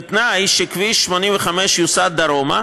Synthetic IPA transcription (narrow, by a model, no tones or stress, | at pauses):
t̪najʃikviʃmonimveχameʃjusat̪̚d̪aɾoma̰